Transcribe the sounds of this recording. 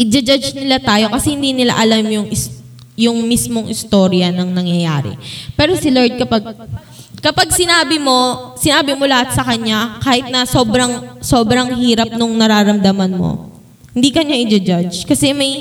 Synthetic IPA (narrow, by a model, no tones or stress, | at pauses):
ʔɪd͡ʒɐd͡ʒad͡ʒnɪlat̪aːjo̞kɐsɛhɪnd̪iːnɪla̰ʔɐlamjʊŋɪs | jʊŋmismo̞ŋʔɪst̪o̞ɾjɐnɐŋnɐŋjɐjaːɾɪ̰pɛːɾo̞sɪloɹd̪̚kɐpaɡ̚ | kɐpaɡ̚sɪnaːbɪmo̞sɪnaːbɪmo̞lɐhat̪sɐkɐɲːakaːhɪt̪̚nɐso̞ːbɾɐŋso̞ːbɾɐŋɦiːɾɐp̚noŋnɐɾaːɾɐmd̪ɐmɐnmo̞̰ | hɪnd̪iːkɐɲaʔɪd͡ʒɐd͡ʒad͡ʒkɐsɛmɐj